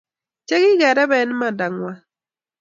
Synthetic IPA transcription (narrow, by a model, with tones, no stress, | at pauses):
t͡ʃɛ˦ɣɪ˦ɡɛ˨ɾɛ˦bɛ˨˦n˦ma˨da˨ŋwa˦